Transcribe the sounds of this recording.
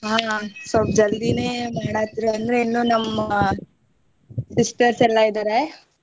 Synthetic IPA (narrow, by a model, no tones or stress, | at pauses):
ɦaːsɐlpd͡ʒɐld̪ineːmaːɽaːt̪iɾeɐnd̪ɾeinːuːnɐmɐ | sisʈɐɾsɛlːɐid̪aːɾe